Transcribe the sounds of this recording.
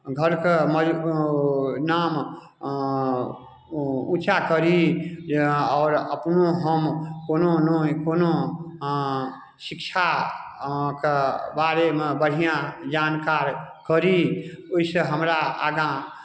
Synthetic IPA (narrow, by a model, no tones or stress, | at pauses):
ɡʱəɾkemə | nam | ut͡ʃʰakəɾi | ɔːɾəpnoɦəmkononokono | sikt͡ʃʰa | kebaɾemebəɽ̤ijãd͡ʒankaɾkəɾioisəɦəmɾaa̰ɡã